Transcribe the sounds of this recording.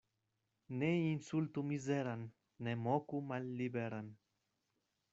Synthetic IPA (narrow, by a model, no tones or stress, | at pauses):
neinsult̪umizeɾanː | emokumalːibeɾan